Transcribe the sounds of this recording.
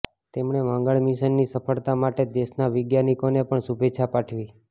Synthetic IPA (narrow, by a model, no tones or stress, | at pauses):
t̪emɳeʋãŋɡəɭmiʃənːisəpʰəɭt̪amaʈed̪eʃnaʋɪɡjanikonepəɳsubʱeːt͡ʃʰapaʈʰʋi